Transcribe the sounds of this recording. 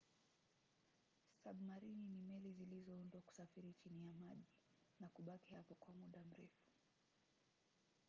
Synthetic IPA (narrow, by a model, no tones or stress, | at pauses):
saɓumaɾininimɛlizilizɔundwaku̥safiɾit͡ʃinijamaʄi | nakuɓakihapɔkwamuɗam̩ɾɛfu̥